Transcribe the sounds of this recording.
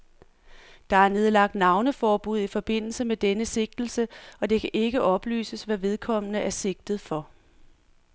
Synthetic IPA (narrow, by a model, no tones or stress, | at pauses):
d̥ɑ̈æɐne̝ð̞ˠlɑ̈ɡ̥̚d̥nɑ̈ʊnəfɒːb̥uð̞̰ˠifɒ̽b̥e̝n̰l̩səmed̥enəse̝ɡ̥̚d̥l̩səɒ̽d̥e̝kʰæʔe̝ɡ̥əʔɒ̽b̥ly̰ːsəsʋæʋe̝ð̞ˠkʰɒ̽m̰ənəʔæɐse̝ɡ̥̚d̥ð̩ˠfɒ̽